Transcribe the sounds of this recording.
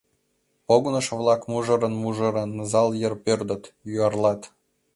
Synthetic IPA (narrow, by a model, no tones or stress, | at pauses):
poɡnɤ̆ʃvlˠɑkmuʒɤ̆ɾɤ̆nmuʒɤ̆ɾɤ̆nzɑlˠjɤ̆rpørd̪ə̆t̪juɑrlˠɑt̪